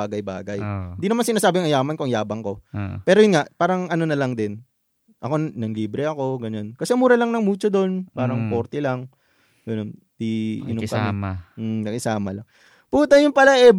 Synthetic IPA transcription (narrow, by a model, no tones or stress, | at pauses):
aːɡɐjba̰ːɡɐjɪnd̪inɐmansɪnaːsaːbɪɐŋʔɐjaːmɐnkoɐŋjaːbɐŋko̞pɛːɾojʊnŋaʔpaːɾɐŋʔɐno̞nɐlɐŋd̪ɪn | ʔɐko̞nɐŋliːbɾɛɐko̞ɡɐɲonkɐsɛmuːɾɐlɐŋnɐŋmuːt͡ʃod̪o̞npaːɾɐŋpo̞ɾt̪ɛlɐŋ | ɡɐnon | t̪iʔɪ̰nokɐmɛnɐɡɪsaːmɐ̰lɐŋ | puːt̪ɐjʊnpɐlaʔɛ